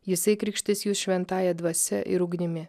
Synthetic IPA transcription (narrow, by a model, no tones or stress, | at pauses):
jɪsɐɪkɾʲiɪkʃʲt̪ʲɪsjuːsʃʲʋʲɛnt̪ɑːjɛd̪ʋɐsʲɛʔɪ̰ɾuɡnʲɪmʲɪ